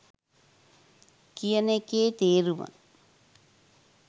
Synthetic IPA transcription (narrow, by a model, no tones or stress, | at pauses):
kijənekeːt̪eːɾuʋɐ̰